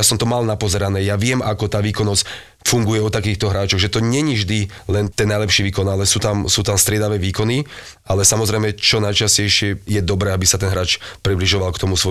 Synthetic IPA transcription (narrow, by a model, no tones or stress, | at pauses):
jasɔmt̪ɔmalnapɔzɛɾanɛːjaʋɪɛmʔakɔt̪aːʋiːkɔnɔsc | fuŋɡujɛɔt̪akiːxt̪ɔɦɾaːt͡ʃɔɣʒɛt̪ɔɲɛɲivʒd̪i | lɛnt̪ɛnajlɛpʃiːʋiːkɔnalɛsuːt̪amsuːt̪amst̪ɾɪɛd̪aʋɛːʋiːkɔni | alɛsamɔzɾɛjmɛt͡ʃɔnajt͡ʃascɛjʃɪɛjɛd̪ɔbɾɛːabisat̪ɛnɦɾaːt͡ʃpɾibliʒɔʋalkt̪ɔmusʋɔ